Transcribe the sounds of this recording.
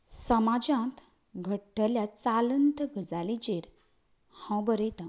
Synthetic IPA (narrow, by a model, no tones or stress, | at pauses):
səmad͡ʑãt̪ | ɡʱəʈːəljat͡salənt̪əɡʱəd͡zalid͡ʑeɾ | hãwbəɾət̪ã